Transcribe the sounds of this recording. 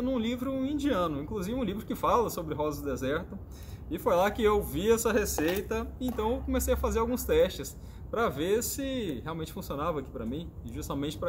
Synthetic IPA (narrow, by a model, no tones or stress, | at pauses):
nũlivɾʊĩd͡ʒiɐ̃nʊĩkluzivɪũlivɾʊkɪfalɐsobɾɪɦɔzɐʊd̪ezɛɾt̪ʊ | ɪfojlakɪewviɛsɐɦesejt̪ɐẽnt̪ɐ̃w̃ewkõmesejɐfazeɾawɡũst̪ɛʃt͡ʃɪs | pɾɐveɾsɪheawmẽnt͡ʃɪfũsionavɐaːki̥pɾɐmĩ | ʒust̪ɐmẽnt͡ʃɪ̥pɾɐ